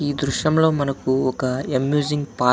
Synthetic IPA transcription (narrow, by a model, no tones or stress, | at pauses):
id̪ɾuʃɐmlɐwmɐnɐkuɔkɐemjuziŋpaː